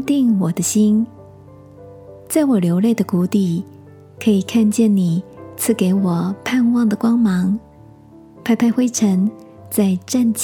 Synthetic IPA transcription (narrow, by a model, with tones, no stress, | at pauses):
t̪i˥˩ŋwɔ˨˩d̪ə˦ɕi˥n | t͡sa˥˩ɪwɔ˨˩ljo˧˥ʊle˥˩ɪd̪ə˩ku˧˥t̪i˨˩ | kʰɤ˧˥i˨˩kʰa˥˧nt͡ɕjɛ˥˩nni˨˩t͡sʰɹ̩˥˩ke˧˥ɪwɔ˨˩pʰa˥˧nwɑ˥˩ŋd̪ə˩kwɑ˥ŋmɑ˧˥ŋ | pʰa˥˧ɪpʰa˥˧ɪxwe˥ɪʈ͡ʂʰə˧˥n | t͡sa˥˧ɪʈ͡ʂa˥˧nt͡ɕ